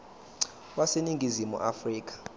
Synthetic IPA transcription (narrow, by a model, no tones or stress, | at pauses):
waseniŋɡʱizimṵʔafriːk̬ʼḁ